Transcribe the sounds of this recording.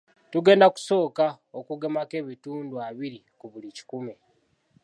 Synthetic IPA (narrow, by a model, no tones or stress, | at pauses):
tuɡe̞ːndaku̥so̞ːka | okuɡemake̞βituːnduaβiɾikuβulici̥kume